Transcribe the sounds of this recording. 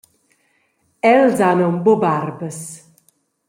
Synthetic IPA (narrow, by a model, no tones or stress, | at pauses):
ɛlzanɔmbobarbəs